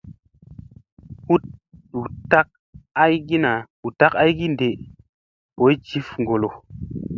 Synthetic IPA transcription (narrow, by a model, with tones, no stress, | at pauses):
hu˦t̚ɗu˨ta˦k̚ | a˦jɡi˦na˨ | u˨ta˦ka˦jɡi˦nde˨ | po˨˦jd͡ʒi˨˦fŋ˨ɡo˨lo˨